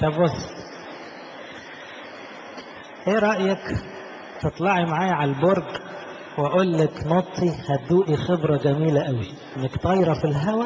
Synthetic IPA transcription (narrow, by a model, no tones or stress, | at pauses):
t̪æbosˤː | ʔeːɾˤɑʔjæk | t̪et̪ˤlɑʕimaʕaːjʕalboɾˤɡ | wæʔolːæknot̪ˤʰːihæt̪̚d̪uːʔixebɾˤɑɡæmiːlæʔæwi | ʔenːækt̪ɑjɾˤɑfilɦæwæ